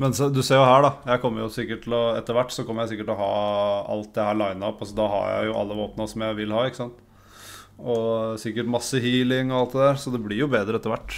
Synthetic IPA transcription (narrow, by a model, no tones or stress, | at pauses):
mɛnsd̪ʉseːɾjʊhæːɖɑjæɪkʰɔmːəɾjʊsɪkːəʈʰːɪlɔɛt̪ːəɾʋæʈːsɔkɔmːəɾjæɪsɪkːəʈ̪ːɔɦɑːɑ̰lt̪̚d̪ɛhæːɭɑɪnɑɔpɑsɔd̪ɑɦɑ̰ɾjæ̰ɪjʊʔɑ̰lːəʋoːpnəsɔmjæɪʋɪlhɑːɪkːə̥sɑnt̪ | ɔsɪkːəʈmɑsːəhiːlɪŋɔɑlt̪̚d̪ɛd̪æɾsɔd̪ɛblɪɾjʊbeːd̪ɾəɛt̪ːəʋæʈː